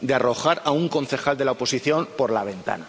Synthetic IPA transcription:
d̪earo̞xaɾauŋko̞nθe̞xald̪e̞laopo̞siθjo̞mpo̞ɾlaβ̞e̞nt̪a̰na

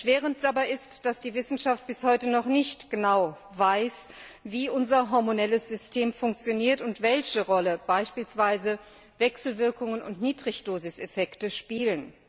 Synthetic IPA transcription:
ʃv̥eːʁ̞ənt̚d̥abaɪɪstd̥asd̥iːvɪsn̩ʃaft̚b̥ɪshɔʏtənɔχnɪçtɡ̥ənaʊ | vaɪs | viːʔʊnzɐɦɔɐmonɛləsz̥ʏstʰeːmfʊŋk̚t͡sjoniːɐtʊntv̥ɛlçəʁɔləb̥aɪʃpiːlsv̥aɪzə | vɛksl̩vɪɐkʊŋənʊ̰ntniːdʁɪçd̥oːzɪsɛfɛktəʃpiːlən

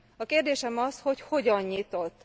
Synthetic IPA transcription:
ɒkeːrd̪eːʃɛmɒsho̞cho̞ɟɒɲɲit̪o̞t̪ː

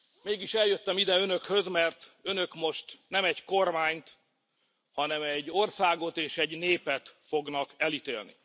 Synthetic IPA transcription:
meːɡiʃɛljø̞t̪ːɛmid̪ɛønø̞khø̞zmɛrt̪ønøkmo̞ʃt̪nɛmɛɟko̞rmaːɲt̪ | hɒnɛmɛɟːorsaːɡo̞t̪eːʃɛɟneːpɛt̪fo̞ɡnɒkɛlit̪eːlnḭ

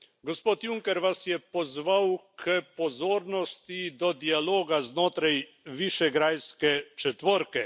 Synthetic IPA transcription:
ɡɔspoːt̪juŋkɛɾʋasjɛpɔzʋawkʰəpɔzoːɾnɔst̪id̪ɔd̪ialoːɡaznoːt̪ɾaj | ʋiʃɛɡɾaːjskɛt͡ʃɛt̪ʋɔɾkɛ

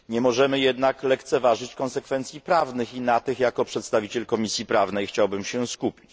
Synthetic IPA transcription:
ɲɛmɔʐɛmɘjɛd̪naklɛkt̪sɛvaʐɘt͡ɕkɔnsɛkfɛnt̪sʲjipɾavnɘxinat̪ɘxjakɔpʂɛt̪st̪avʲit͡ɕɛlkɔmʲisʲjipɾavnɛjxt͡ɕawbɘmɕɛskupʲi̥t͡ɕ

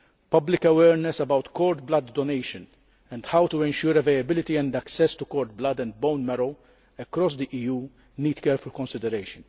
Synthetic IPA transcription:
pɐblɪkɐwɛːɾnɛsɐbɐwt̪kɔːɾt̪̚blɐd̪ːɔnejʃə̃n | ɛ̃nd̪hawt̪uɛ̃nʃʊːɾɛvejɐbɪlɪt̪iɛ̃nd̪ɐksɛst̪ukɔːɾt̪̚blɐd̪ɛ̃nd̪̚bõwnmɛɾow | ɛkɾɔs̬d̪iʔiːjuː | niːd̪kɛːɾfʊlkɔ̃nsɪd̪ɛɾejʃə̃n

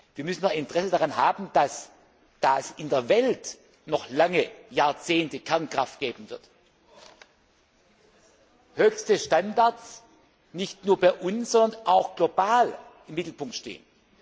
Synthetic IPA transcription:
viːɐmʏsn̩nɔχɪntʁ̥ɛsədaʁanɦaːbn̩d̥as | d̥aːɛsɪndeːɐvɛlt | nɔχlaŋəjaːɐt͡seːntəkʰɛɐnkʁ̥aftɡ̥eːbm̩n̩vɪɐt | høːçstəʃtandaɐs | nɪçtnuːɐbaɪʔʊnsz̥ɔndɐnʔaʊxɡ̥lobaːlʔɪmːɪtl̩pʊŋktʃtḛːən

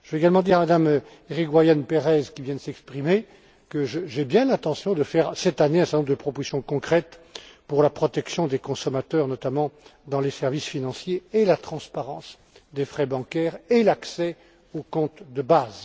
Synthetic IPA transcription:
ʒəveɡalmɑ̃d̪iʁamad̪am | eʁikwajanpeʁɛzkʲivjɛ̃d̪əsɛkspχime | kəʒəʒɛbjɛ̃lɛ̃t̪ɑ̃sjɔ̃d̪əfɛʁsɛt̪aneɛ̃sɛʁd̪ɔmd̪əpχɔpozi̥sjɔ̃kɔ̃kχɛt̪puʁlapχɔt̪ɛksjɔ̃d̪ekɔ̃sɔmat̪œʁnɔt̪amɑ̃d̪ɑ̃lesɛʁvisfinɑ̃sjeːlat̪χɑ̃spaʁɑ̃s | d̪efχɛbɑ̃kʲɛʁelaksɛ | okɔ̃t̪d̪əbaz

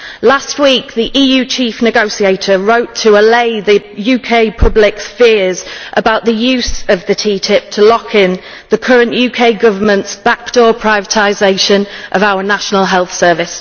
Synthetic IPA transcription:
last̚wiˑk̚ðiʔiːjʉːt͡ʃʰiˑfnɪɡoʊsieɪtʰəɹoʊtʰəəleɪðəjʉːkʰeɪpʰʊblɪksfɪəzʔəbaʊʔðəjʉːˑzəvðətʰiːtʰɪp̚tʰəlɒkʰɪ̃n | ðəkʰʌɹə̃nʔjʉːkʰeɪɡʊvəmə̃ntsb̥ak̚d̥ɔːpʰɹ̥aɪvətʰaɪzeɪʃə̃nʔəvaʊənaʃənəlˠɦɛlˠθsɜːvɪs

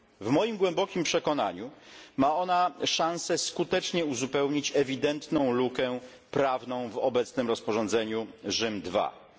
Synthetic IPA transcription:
vmɔjimɡwɛmbɔkʲimpʂɛkɔn̪a̰ɲumaɔnaʂãñsɛskut̪ɛt͡ʂɲɛuzupɛwɲit͡ɕɛvʲid̪ɛnt̪nɔ̃w̃lukɛ | pɾavnɔ̃w̃vɔbɛt̪snɘmɾɔspɔʐɔ̃nd̪zɛɲuʐɘmd̪va̰

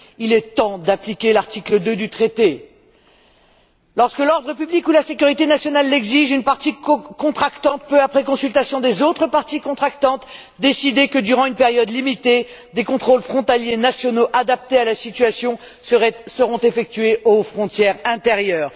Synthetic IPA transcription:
ilɛt̪ɑ̃d̪aplikʲelaʁt̪ikləd̪ød̪yt̪χet̪e | lɔʁskəlɔʁd̪ʁəpyblikulasekʲyʁit̪enasjɔnalːɛɡziʒynpaʁt̪ikɔ̃t̪χakt̪ɑ̃t̪̚pøapχɛkɔ̃sylt̪asjɔ̃d̪ezot̪χəpaʁt̪ikɔ̃t̪χak̚t̪ɑ̃t̪ | d̪esid̪ekəd̪yʁɑ̃ynpeʁjɔd̪limit̪e | d̪ekɔ̃t̪χolfχɔ̃t̪aljenasjɔnoʔad̪ap̚t̪ealasit̪ɥasjɔ̃ | səʁɔ̃t̪efɛk̚t̪ɥeʔofχɔ̃t̪jɛʁɛ̃t̪eʁjœːʁ

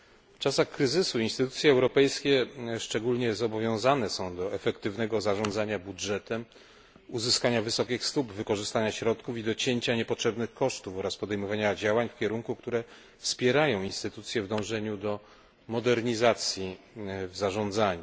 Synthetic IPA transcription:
ft͡ʂasaxkɾɘzɘsuinst̪ɘt̪ut̪sʲjɛɛwɾɔpɛjskʲɛʂt͡ʂɛɡulɲɛzɔbɔvʲjɔ̃w̃zanɛsɔ̃w̃d̪ɔɛfɛkt̪ɘvnɛɡɔzaʐɔ̃nd̪zaɲabudʐɛt̪ɛm | uzɘskaɲavɘsɔkʲixst̪ubvɘkɔʐɘst̪aɲaɕɾɔt̪kufid̪ɔt͡ɕeɲt͡ɕaɲɛpɔtʂɛbnɘxkɔʂt̪ufɔɾaspɔd̪ɛjmɔvaɲad͡ʑawaɲfkʲɛɾuŋkuk̚t̪uɾɛ | fspʲjɛɾajɔ̃w̃inst̪ɘt̪ut̪sʲjɛvd̪ɔ̃w̃ʐɛɲud̪ɔ | mɔd̪ɛɾɲizat̪sʲji | vzaʐɔ̃nd̪zaɲu

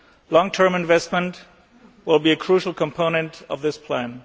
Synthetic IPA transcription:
lɔ̃ŋtʰɜ̃˞mɨ̃nvɛst̚mə̃nt | wɪlˠbiɨkʰɹ̥uʃl̩ˠkʰə̃mpʰõʊ̃nɨ̃ntʌvðɪspʰl̥æ̃n

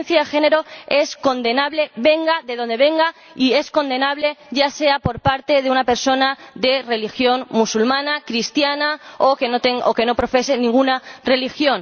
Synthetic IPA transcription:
nθjaxe̞ne̞ɾo̞e̞sko̞nd̪e̞naβle̞βe̞ŋɡaðe̞ðõ̞nd̪e̞βe̞ŋɡa | ie̞sko̞nd̪e̞naβle̞ʝase̞apo̞ɾpaɾt̪e̞ðeunape̞ɾso̞naðe̞re̞lixjo̞nmusulmãnakɾist̪janaokenot̪eŋoke̞no̞pɾo̞fe̞se̞nĩŋɡunare̞lixjo̞n

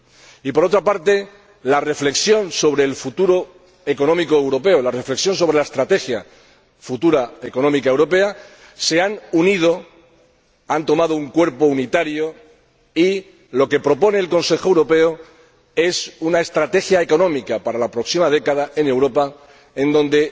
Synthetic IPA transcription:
ipo̞ɾo̞t̪ɾapaɾt̪e̞ | lare̞fle̞ksjo̞nso̞βɾe̞ːlfut̪uɾo̞ | eko̞nõ̞mikoewɾo̞pe̞olare̞fleksjo̞ns̬o̞β̞ɾe̞laest̪ɾat̪e̞xja | fut̪uɾaeko̞nõ̞mikae̞wɾo̞pe̞a | se̞anunið̞o̞ | ant̪o̞mað̞ouŋkwe̞ɾpo̞unit̪aɾjo | i | lo̞ke̞pɾo̞po̞ne̞ːlko̞nse̞xoewɾo̞pe̞o | e̞sunae̞st̪ɾat̪e̞xjaeko̞nõ̞mikapaɾalapɾo̞ksimað̞e̞kað̞ae̞ne̞wɾo̞pa | ẽ̞nd̪õ̞nd̪e̞

